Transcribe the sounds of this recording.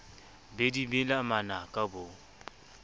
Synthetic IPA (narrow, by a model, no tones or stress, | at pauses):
bedibɪlamanakʼabo